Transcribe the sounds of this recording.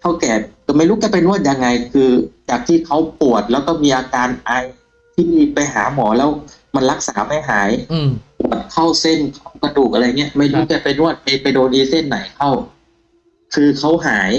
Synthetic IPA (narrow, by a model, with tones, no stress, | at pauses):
t̪ʰa˥˩wkɛː˨˩ka˧˩ma˥˩jɾu˦˥kɛː˧˩pa˧jnu˥˩ət̪̚ja˧ŋːa˧jkʰɯː˧t͡ɕaː˨˩k̚t̪ʰiː˥˩kʰa˦˥wpu˨˩ət̪̚lɛː˦˥˩wkɔː˧˥˩miː˧ʔaː˧kaː˧nʔa˧j | t̪ʰiː˥˩pa˧jɦaː˩˦mɔː˩˦lɛː˦˥w | ma˧nla˦˥k̚saː˩˦pa˧jɦaː˩˦jpu˨˩ət̪̚kʰa˥˩wse˧˥˩nkʰa˥˩wka˧duː˨˩k̚ʔa˧ɾja˨˩ŋːi˦˥ɐma˥˩jɾuː˦˥˩kɛː˧˩pa˧jnu˥˩ət̪̚pa˧jpa˧jdoː˧nʔiː˧se˥˩nːa˨˩˦jkʰa˥˩w | kʰɯː˧kʰa˦˥˩wɦaː˩˦j